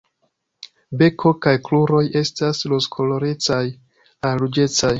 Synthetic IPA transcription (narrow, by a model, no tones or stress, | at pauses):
be̞kʰo̞kajkluɾo̞je̞stasloskʰo̞lo̞ɾet͡saj | aɾud͡ʒe̞t͡saj